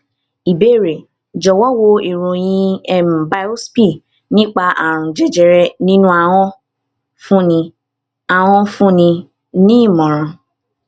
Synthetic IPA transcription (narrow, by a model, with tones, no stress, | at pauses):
i˨be˦˨ɾe˨ | d͡ʒɔ˨wɔ˦wo˧i˨ɾũ˨j̃ĩ˧ɛ˨m̩˨ba˦o˦spi˦˨ | nĩ˦k͡pa˧a˨ɾ̃ũ˨d͡ʒɛ˦d͡ʒɛ˨ɾɛ˦nĩ˦nũ˦a˨w̃ɔ̃˧ | fũ˦nĩ˧ | a˨w̃ɔ̃˧fũ˦nĩ˧ | nĩ˦i˦˨mɔ̃˨ɾ̃ã˨